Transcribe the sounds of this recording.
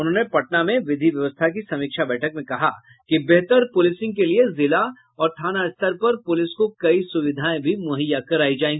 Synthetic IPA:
ʊnɦõːnepɐʈ̚namẽʋɪd̪ʱiʋjɐʋəst̪ʰak̬isɐmiːkʃabɛːʈʰəkmẽkɐɦa | kibeɦt̪əɾpʊlɪsɪ̃ŋɡ̚keliezɪla | ɔːɾt̪ʰaːnaɪst̪əɾpɐɾpʊlɪskokɐisʊʋɪd̪ʱaːẽbʱimʊɦəjakɐɾaːid͡ʒaːẽːŋɡi

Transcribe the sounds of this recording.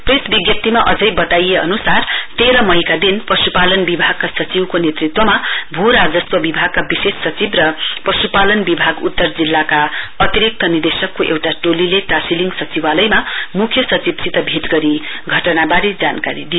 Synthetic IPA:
presbiɡjʌp̚t̪imaʔʌd͡zʌjbʌt̪ajeʌ̰nusart̪eɾʌmʌjkad̪inprʌsupalʌnbibʱaɡ̚kasʌt͡siwkonet̪rit̪wʌmabʱuɾad͡zʌswʌbibʱaɡ̚kabisesːʌt͡sibrʌprʌsupalʌnbibʱaɡṵt̪ːʌrd͡zilːakaʌt̪iɾik̚t̪ʌnird̪esʌkːoʔḛwʈaʈolileʈasiliŋɡsʌt͡sibalʌjmamukʰjʌsʌt͡sibsit̪ʌbʱit̪ɡʌɾi | ɡʱʌʈʌnabaɾid͡zankaɾid̪ijo

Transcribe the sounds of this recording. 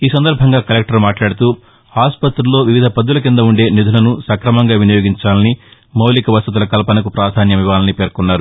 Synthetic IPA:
iːsɐnd̪ɐɾbʱɐŋɡaːkɐlek̚ʈɐɾmaːʈlaːɽut̪uː | aːspɐt̪ɾulːo̞ːʋiʋid̪ʱɐpɐd̪ːulɐk̬ind̪ɐuɳɖe̞ːnid̪ʱulɐnusɐkɾɐmɐŋɡaːʋinijoːɡiɲt͡ʃaːlɐni | mɐwlikɐʋɐst̪ut̪ulɐkɐlɐpɐnɐkupɾaːd̪ʱaːnjɐmiʋaːlɐnipe̞ːɾkunːaːɾu

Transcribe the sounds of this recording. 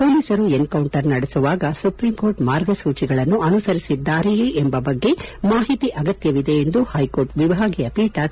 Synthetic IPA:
poːliːsɐɾuenkɐwɳʈɐɾnɐɽesuʋaːɡɐsupɾiːmko̞ːɾʈmaːɾɡɐsuːt͡ʃiɡɐɭɐnːuɐnusɐɾisid̪ːaːɾeeʔembɐbɐɡːe̞maːɦit̪iʔɐɡɐt̪jɐʋid̪e̞ːnd̪uhɐjko̞ːɾʈʋibʱaːɡijɐpiːʈɐ

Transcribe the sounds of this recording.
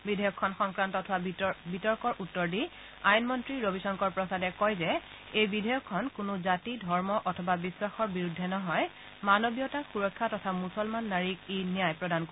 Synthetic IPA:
bidʱɔjɔkʰːɔnxɔŋkɹantɔtʰabitɔɹkɔɹʔutːɔɹdi | ajunmɔntɹiɹobisɔŋkɔɹpɹɔsadɛkɔjzɛ | ejbidʱɔjɔkʰːɔnkʊnʊzatidʱɔɹmɔʔɔtʰɔbabiswaxɔɹbiɹudʱːɛnɔɦɔj | manobijɔtaxuɹɔkʰːatɔtʰamusɔlmanːaɹik̚inijajpɹɔdanko

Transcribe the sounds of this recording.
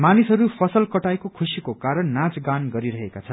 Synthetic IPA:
manisɦʌɾupʰʌsʌlkʌʈajkokʰusikokaɾʌnːat͡sɡanɡʌɾiɾʌɦekat͡sʰʌn

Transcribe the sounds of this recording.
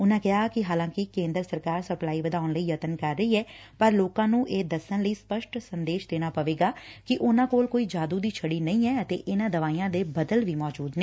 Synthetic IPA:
ʊnãːkɪɦaːkɪɦaːlãːkɪkẽːnd̪ɾsəɾkaːɾsəplaːiːʋəd̪aːʊnləiːjət̪ənkəɾːəiːɛː | pəɾloːkãːnũːʔeːd̪əsənləiːspəʃʈsənd̪eːʃd̪eːɽ̃aːpəʋeːɡaːkɪʔʊnãːkoːlkoːiːd͡ʒaːd̪uːd̪iːt͡ʃʰəɽiːnəĩːɛːət̪ḛːʔɪnãːd̪əʋaːijãːd̪eːbəd̪əlʋiːmɔːd͡ʒuːd̪nẽː

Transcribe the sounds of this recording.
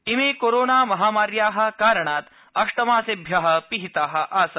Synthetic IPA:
imeːkoːɾoːnaːmɐɦaːmaːɾjaːɦɐ̆kaːɾəɳaːt̪ | ɐʂʈɐmaːsebʱjaɦɐ̆piɦit̪aːɦɐ̆ʔaːsɐ

